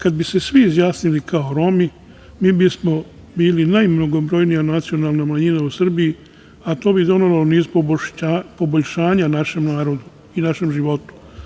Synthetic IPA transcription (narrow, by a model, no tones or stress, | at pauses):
kad̪̚bise̞sʋiːzjaːsnilikʰaoɾo̞mi | miːbismo̞ | biːlinajmno̞ɡo̞bɾo̞jnijanat̪sio̞nalˠnamaɲinausr̩biji | at̪o̞ːbid̪o̞neloniːzpobapo̞boʎʃaːɲanaʃe̞mnaːɾo̞d̪u | inaʃe̞mʒiʋo̞t̪u̥